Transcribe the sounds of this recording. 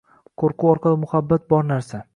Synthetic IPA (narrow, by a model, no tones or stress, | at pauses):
kʰoɾqʰʊɒɾqʰɑlˠɪmʊhabːat̪̚bɒɾnaɾsa